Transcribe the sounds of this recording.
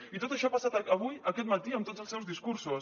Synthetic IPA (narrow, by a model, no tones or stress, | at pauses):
it̪ot̪əʃɔapasat̪əəβujəkɛt̪̚mət̪iəmt̪ot̪dzəlˠsɛwzðiskuɾsu